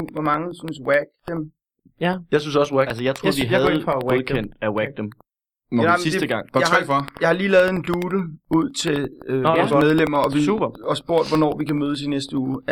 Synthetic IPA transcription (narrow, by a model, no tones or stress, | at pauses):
ʋɒmɑ̈ŋəsynswæɡ̥̚d̥em | jɑ̈ɪsynsɒswææls̬əjɑɪt͡sʰʁ̰d̥iɦðʰɑwoðˠkʰen̰d̥æwæɡ̥̚d̥em | sisd̥ed̥əɡ̥ɑ̈ŋ̰ɑhɛfɒjɑ̈ɪhɑ̈liːlɛːð̩ˠe̝nd̥uːɾ̥əuð̞̰ˠt͡sʰe̝ømeð̞ˠlem̰ɐɒ̽ʋiub̥ɒ̽sb̥o̝ɐ̰d̥ʋɒnɒ̰ːʋikæmøːð̞ˠs̬inesd̥əuː